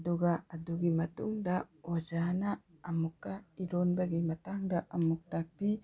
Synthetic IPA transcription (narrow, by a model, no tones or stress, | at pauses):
duɡaːduɡimɐtṵŋdawad͡ʒanaː | mukːaiɾonbaɡimɐtaŋdɐʔɐmuk̚tak̚pi